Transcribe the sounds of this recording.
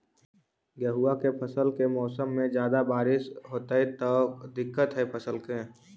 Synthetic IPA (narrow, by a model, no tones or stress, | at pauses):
ɡjəɦuːakepʰəsəlkemɔːsəmːẽd͡ʒjaːd̪abaːɾɪʃɦoːt̪aet̪ɔd̪ɪkːət̪ɦɛpʰəsəlkeː